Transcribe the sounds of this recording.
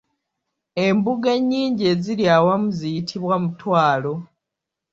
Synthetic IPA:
e̞mbuɡeɲːiːɲɟeziɾjawamuzijitʰiβwamutwaːlo̞

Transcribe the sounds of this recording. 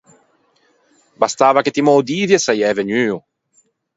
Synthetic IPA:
bast̪aːvaket̪imɔd̪iːvjesajɛːveɲyːu

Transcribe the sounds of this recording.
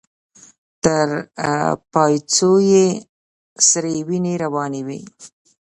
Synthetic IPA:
t̪əɾ | pɑjt͡soje | sɾewineɾawɑniwi

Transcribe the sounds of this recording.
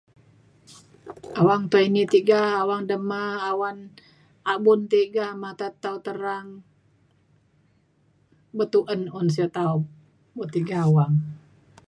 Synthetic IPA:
awaŋt̪uinit̪iɡaːwaŋdəmaːwan | abunt̪iɡamat̪at̪ːaut̪əɾaŋ | bət̪uʔənɔnsiɔt̪aup̚ | but̪iɡaːwaŋ

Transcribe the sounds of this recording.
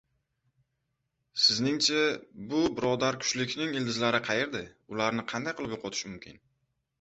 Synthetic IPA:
sɪznɪŋt͡ʃʰabʊbɪɾɒd̪aɾkʰʊ̥t͡ʃlɪkʲnɪŋɪld̪ɪzlaɾɪqʰɑjeɾd̪ɪʊlaɾnɪqʰɑnd̪ajqʰɨlˠɪpjoqʰɒt̪ʰɪ̥ʃmʊmkʲʰɪ̰n

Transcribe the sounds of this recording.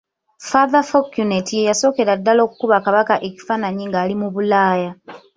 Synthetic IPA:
faðafokjunetijejaso̞ːke̞ɾadːalo̞ːku̥kuβakaβakaʔe̞ci̥fanaɲiŋɡaːlimuβulaːja

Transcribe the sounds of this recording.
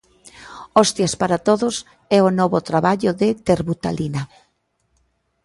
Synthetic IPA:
ɔst̪jaspaɾat̪oðʊs | ɛonɔβot̪ɾaβaʎoðɪt̪eɾβut̪a̰lina

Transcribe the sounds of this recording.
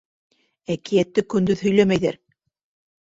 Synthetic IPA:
ækijæt̪ːɘkɵ̆nd̪ɵðɦɵ̆jlæmæjðæ̰ɾ

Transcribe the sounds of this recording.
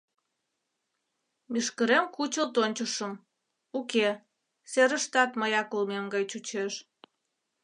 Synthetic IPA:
miʃkəɾemkut͡ɕəlt̪onʲt͡ɕəʃəm | uke | seɾəʃt̪ɑt̪məjɑkulmemɡɑjt͡ɕut͡ɕeʃ

